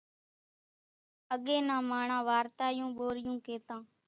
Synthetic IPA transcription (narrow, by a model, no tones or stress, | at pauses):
əɠeːnãːmaːɳãːʋaːɾt̪aːjũːɓoːɾɪjũːkeːt̪ãː